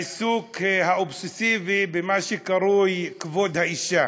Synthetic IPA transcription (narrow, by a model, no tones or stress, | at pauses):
suːkhaʔobsɪsiːvibɪmaʃikaɾˤuːjkvoːd̪haʔiʃa